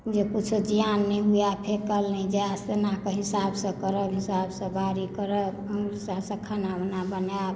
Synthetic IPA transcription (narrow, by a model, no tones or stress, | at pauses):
d͡ʒekut͡ʃʰud͡ʒijanːɛɦujapʰekəlnɛd͡ʒasenakeɦisabsə̃kəɾəbɦisabsə̃bʱaɾikəɾəbəŋɡɾisasə̃kʰanabnabənjab